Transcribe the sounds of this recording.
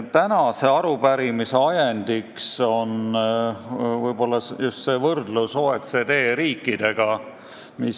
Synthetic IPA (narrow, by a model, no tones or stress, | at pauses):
t̪ænɑse̞ɑɾubæɾimise̞ɑjend̪̥ikso̞n | vɤjb̥o̞lːɑsjust̪se̞vɤrd̪lusoːet̪se̞d̪e̞ːɾiːkːˑid̪̥e̞ɡ̥ɑ | mi